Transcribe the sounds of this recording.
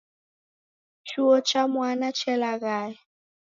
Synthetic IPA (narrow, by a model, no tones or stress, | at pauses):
t͡ʃʰuɔt͡ʃamwanat͡ʃʰɛlaɣaːjɛ